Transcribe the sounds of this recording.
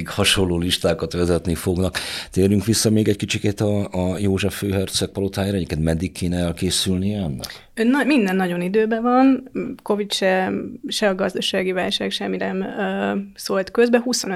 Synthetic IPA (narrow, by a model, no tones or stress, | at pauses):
khɒʃo̞lːoːliʃt̪aːkɒt̪ʋɛzɛt̪nifoɡnɒkt̪eːɾyŋkʋisːɒmeːɡɛckit͡ʃikeːt̪ɒːjoːʒɛfːøːɦɛrt̪sɛk̚pɒlot̪aːjaːɾɛeːkɛnd̪mɛd̪ːikʰːeːnɛɛlkeːsylniɛɛnːɛ̰k | ønːɒmind̪ɛnːɒɟo̞nid̪øːbɛvɒnko̞vit̪ʃɛʃɛɒɡɒzd̪ɒʃaːɡiva̰ːlʃaːkʃɛminɛmøsolt̪kø̞zbɛɦuso̞nø